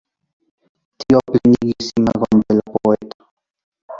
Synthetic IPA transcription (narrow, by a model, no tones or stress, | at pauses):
t̪iopliniɡisimaɣɔmd̪elapoet̪ḁ